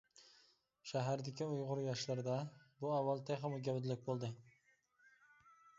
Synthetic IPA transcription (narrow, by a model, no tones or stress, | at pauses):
ʃaɦaɾd̪ɪkʲʰɪʊjʁʊɾjɑʃlaɾd̪abʊavːalˠt̪ʰaχɨmʊɡʲabd̪lɪk̚ʲbolˠd̪ɪ